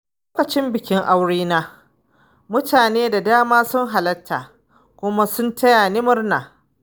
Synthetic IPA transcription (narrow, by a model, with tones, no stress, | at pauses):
lo˦kɐ˨t͡ʃɪ˦mbɪ˨kʲɪ˦ŋʔa˦wɽiː˦naː˦ | mʊ˦taː˨neː˦da˨daː˦maː˦sʊ˦ŋɦa˨lɐ˦tʰːaː˨ | kʷʊ˦ma˦sʊ˦ntʰɐ˦jaː˨nɪ˦mʊ˦rnaː˨